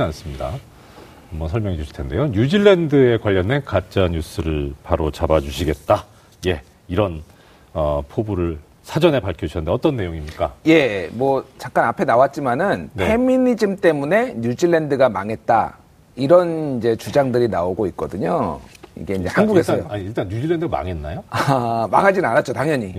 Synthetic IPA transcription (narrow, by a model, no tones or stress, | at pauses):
ans͈ɯmɲida̰ | mbʌsʰʌɭmjʌŋid͡ʑuɕi̥ɭ̥tʰende̞joɲud͡ʑiɭːendɯe̞kwaʎːʌnenkat͡ɕ͈aɲus͈ʰɯɾɯɭpaɾot͡ɕabad͡ʑuɕʰiɡe̞t̚t͈a | je̞ | iɾʌn | ʌpʰobuɾɯɭ | sʰad͡ʑʌne̞paɭkʰjouɕʰanɯndeʌt͈ʌnːe̞joŋimɲik͈aje̞mwʌt͡ɕaŋk͈anapʰe̞nawat̚t͡ɕ͈imanɯnnʰe̞minid͡ʑimt͈e̞mune̞ɲud͡ʑiɭːe̞ndɯɡamaŋe̞t̚t͈a̰ | iɾʌnind͡ʑe̞t͡ɕud͡ʑaŋdɯɾinaoɡoit̚k͈ʌdɯɲoḭɡe̞ind͡ʑe̞hanɡuɡe̞s͈ʰjoaɲiiɭt͈anɲud͡ʑiɭːendɯɡama̰ŋe̞nːajoama̰ŋɦad͡ʑinɯnanat̚t͡ɕ͈otaŋɲʌɲi